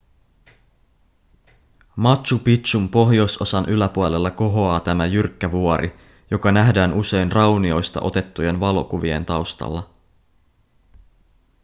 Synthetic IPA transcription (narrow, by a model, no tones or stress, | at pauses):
mɑt̪ʃupit̪umpo̞ɦjo̞so̞sɑnʔylæpuole̞lːɑko̞ɦo̞ɑːt̪æmæjyrkːæʋuoɾʔḭ | jo̞kɑnæɦdæːnʔuse̞jnrɑwnio̞jst̪ɑ̰ʔo̞t̪e̞t̪ːuje̞nʋɑlo̞kuʋie̞̰nt̪ɑwst̪ɑ̰lːɑ